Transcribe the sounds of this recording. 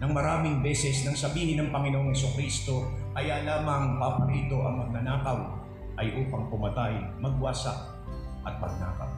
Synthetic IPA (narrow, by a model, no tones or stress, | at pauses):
nɐŋmɐɾaːmɪŋbɛːsɛsnɐŋsɐbiːhɪnɐŋpɐŋɪnoʔoŋhɛsʊkɾist̪o̞ʔɐjalaːmɐŋpapɐɾiːt̪o̞ʔɐŋmɐɡ̚nɐnaːkɐw | ʔɐjʔuːpɐŋpʊmɐt̪ajmɐɡ̚waːsɐ̰ʔ | ʔɐt̪̚pɐɡ̚na̰ːkɐ̰w